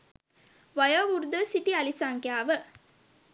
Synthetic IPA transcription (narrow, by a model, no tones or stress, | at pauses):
ʋajaʋuɾud̪əsiʈialisaŋkjaːʋə